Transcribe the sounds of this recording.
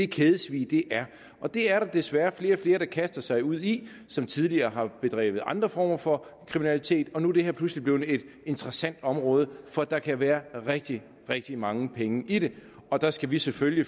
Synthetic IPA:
e̝kʰeːðˠəsʋḭːd̥e̝ʔæɐ | ʔɒ̽d̥e̝æɐɾɑ̈d̥e̝sʋæːɐfle̝ːɐfle̝ːɐɾ̥ɑ̈kʰæsd̥ɐsɑ̈ɪuð̞̰ˠi | sɒ̽mt͡sʰið̞ˠliɐːɦɑ̈b̥e̝d̥ʁɛ̰ːʋð̩ˠʔɑ̈nd̥ʁɐfɒ̰ːmɐfɒ̽kʰʁiminælit͡sʰe̝̰ːd̥ɒ̽nuæɐd̥eheɐ̰pʰluslib̥liʊn̩e̝d̥e̝nt͡sʰʁɐsæn̰d̥ɒ̽mʁɔːð̞ˠəfɒ̽d̥ɑ̈kʰæʋæːɐʁɛɡ̥̚d̥i | ʁɛɡ̥̚d̥imɑ̈ŋəpʰeŋəʔidɾe̝ɒ̽d̥ɑ̈sɡ̥æʋisefølji

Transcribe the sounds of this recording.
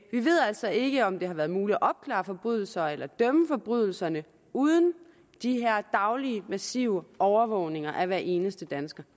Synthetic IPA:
ʋiʋe̝ð̰ˠæl̰sɒ̽e̝ɡ̥əɒ̽md̥e̝hɑ̈ʋæːɐðˠmuːliʔɒ̽b̥̚kʰlɑ̰̈ːfɒ̽b̥ʁyðˠl̩sɐelɐd̥œməfɒ̽b̥ʁyð̞ˠl̩sɐnə | uːð̞ˠən̩ | d̥iɦæɐ̰d̥ɑ̈ʊliəmæsiʊəʔɒʊɐʋɔʊne̝ŋɐʔæʋæɐʔe̝ːnəsd̥əd̥ænsɡ̥ɐ

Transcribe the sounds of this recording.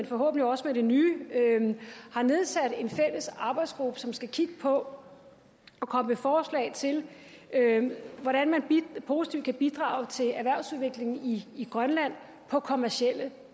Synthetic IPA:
enfɒ̽ɦɔ̰̽ːb̥n̩lioɒ̽səmeɾ̥e̝nyːøhɑ̈ne̝ð̞ˠsæd̥e̝nfel̰əsɑ̈ːb̥ɑ̈ɪd̥sɡ̥ʁub̥əsɒ̽msɡ̥ækʰiɡ̥əpʰɒ̽ | ɒ̽kʰɒ̽məmefɒːslɛ̰ɪt͡sʰe̝l | øʋɒɾænmænipʰo̝ːsi̥t͡sʰiʊ̰̥kʰæb̥id̥ʁɑ̰̈ʊt͡sʰe̝æɐʋæɐ̰ʊsuð̞ˠʋe̝ɡ̥le̝ŋn̩iːɡ̥ʁɶnlæn̰ | pʰɒ̽kʰo̝mæɐɕiel̰ə

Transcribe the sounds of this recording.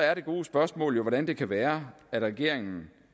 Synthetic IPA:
æɐɾe̝ɡ̥o̝ːsb̥ɶɐsmɔ̰̽ːljo̝ʋɒɾænd̥e̝kʰæʋæːɐæd̥ʁɛɡ̥e̝ɐ̰eŋn̩

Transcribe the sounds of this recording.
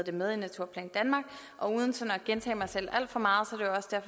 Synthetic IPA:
d̥e̝með̞ˠinæt͡sʰuɐ̰pʰlɛnd̥ænmɑ̈ːɡ̥ | ʔɒ̽uːð̞ˠn̩sɒ̽nɒɡ̥ent͡sʰɛ̰ːmɑ̈ɪsel̰æl̰d̥fɒ̽mɑ̈ːð̞̩ˠsɒ̽æɾ̥e̝joɒ̽sd̥æɐ̰f

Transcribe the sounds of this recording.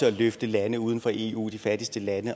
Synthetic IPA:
əɒløfd̥əlænəuð̞ˠn̩fɒ̽ʔe̝ːṵːd̥ifæd̥isd̥əlænə

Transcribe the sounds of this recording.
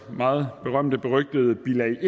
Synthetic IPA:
mɑ̈ːð̩ˠb̥e̝ʁɶm̰d̥əb̥e̝ʁœɡ̥̚d̥əð̞̩ˠəb̥ilæ

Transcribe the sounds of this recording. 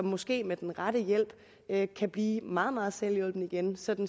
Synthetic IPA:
ɒ̽mːɒ̽sɡ̥e̝̰ːmed̥enʁɑ̈ɾ̥əjel̰b̥ | økʰæb̥liːmɑ̈ːð̞̩ˠmɑ̈ːð̞̩ˠselijɔ̽l̰b̥n̩iɡ̥ensɒ̽d̥n̩

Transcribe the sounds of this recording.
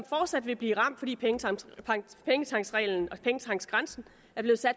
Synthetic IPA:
sɒ̽mfɒːd̥sæd̥ʋe̝bliːʁɑ̈m̰d̥fɒ̽dḭːpʰeŋəɑ̰̈pʰeŋət͡sʰɑ̈ŋ̰sʁɛ̰ːln̩ɒ̽pʰeŋət͡sʰɑ̈ŋ̰̥sɡ̥ʁɑ̈nsn̩ | æɐb̥le̝ːð̩ˠsæd̥

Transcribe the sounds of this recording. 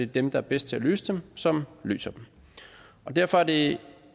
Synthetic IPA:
e̝d̥emd̥ɑ̈æɐb̥esd̥t͡sʰe̝æly̰ːsəd̥emsɒ̽mly̰ːsɐd̥em | ʔɒ̽d̥æɐ̰fɒ̽æɐde̝

